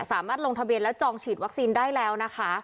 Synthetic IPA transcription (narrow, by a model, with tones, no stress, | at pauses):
saː˩˦maː˥˩t̪̚o˧ŋt̪ʰa˧bi˧ənlɛː˦˥t͡ɕɔː˧ŋt͡ɕʰiː˨˩t̪̚wa˦˥k̚siː˧ndaː˥˩jlɛː˦˥wna˦˥kʰa˦˥